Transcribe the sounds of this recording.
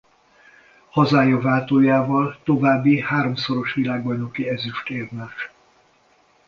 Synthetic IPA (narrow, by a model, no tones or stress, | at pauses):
hɒzaːjɒvaːt̪oːjaːvɒlt̪o̞vaːbːihaːɾo̞mso̞ɾo̞ʃʋilaːɡbɒjno̞kiɛzyʃt̪eːrmaːʃ